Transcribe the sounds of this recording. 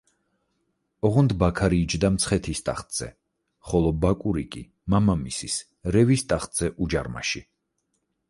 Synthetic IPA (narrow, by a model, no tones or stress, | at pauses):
ɔʁɔnd̪bakʰaɾiːd͡ʒd̪amt̪sʰχɛt̪ʰist̪ʼa̰χt̪ʼz̥ɛ̰ | χɔlˠɔbakʼuɾikʼi | mamamisis | ɾɛvist̪ʼaχt̪ʼz̥ɛʔud͡ʒaɾma̰ʃi